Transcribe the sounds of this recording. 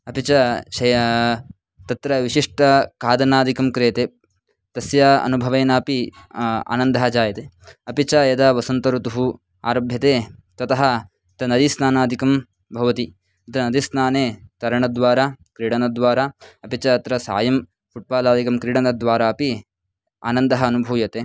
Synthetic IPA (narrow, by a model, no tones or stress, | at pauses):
ɐpit͡ʃɐʃɐj | t̪ɐt̪ɾɐʋiʃiʂʈɐkaːd̪ɐnaːd̪ʱikɐmkɾeːt̪eː | t̪ɐsjɐɐ̰nubʱɐʋɐːnaːpia̰ːnɐnd̪ɐɦɐd͡ʒaːjɐt̪eː | ɐpit͡ʃɐjɐd̪ɐʋɐsɐnt̪ɐɾut̪uɦu | a̰ːɾɐbʱjɐt̪eːt̪ɐt̪ɐɦɐ̆ | t̪ɐnɐd̪isnaːnaːd̪ʱikɐm | bʱɐʋɐt̪i | ɐt̪ɐnɐd̪isnaːneːt̪ɐɾɐɳɐd̪ʋaːɾaːkɾiːɽɐnɐd̪ʋaːɾaːɐpit͡ʃɐːt̪ɾɐsa̰ːjɐm | fuʈ̚baːlaːd̪ʱikɐmkɾiɽɐnɐd̪ʋaːɾaːɐpi | a̰ːnɐnd̪ɐɦɐːnubʱuːjɐt̪eː